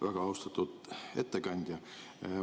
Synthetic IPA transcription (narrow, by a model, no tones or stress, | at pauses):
ʋæɡ̥ɑɑwst̪ɑt̪ːˑut̪ḛt̪ːekɑnʲd̪̥ʲjɑ